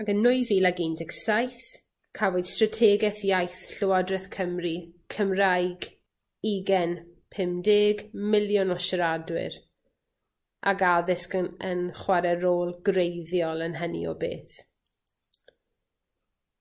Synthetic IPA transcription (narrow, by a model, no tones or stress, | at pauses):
aɡənːʊjviːlaɡiːndɪksajθ | kʰavod̥stratʰɛːɡɛθjajθɬʊwadrɛθkʰəmikʰəmrajɡ | iɡɛnpʰɪmdeːɡmɪljɔnɔʃəɾadwɪ̰ɾ | ʔa̰ɡaðɪskənənχwaɾɛɾoːlˠɡrejðjɔlˠənɦənḭɔ̰bḛːθ